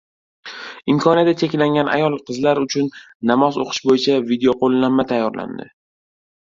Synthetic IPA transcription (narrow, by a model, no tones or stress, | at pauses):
ɪmkʰɒniat̪at̪t͡ʃʰːekʲlaŋɡʲanʔa̰jɒlˠqʰɨzlaɾʊt͡ʃʰʊnː | amɒzoqʰɨ̥ʃbojɪt͡ʃʰavid̪eoqʰolˠːammːat̪ʰajːɒɾla̰nd̪ɪ̰